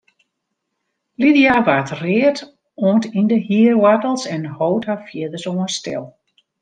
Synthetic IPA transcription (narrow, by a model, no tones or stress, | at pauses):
lidijaʋatrɪːət | ɔːntindəhiərwadəl̩ˠsɛnhowthafjɪədəsoːənstɛ̰lˠ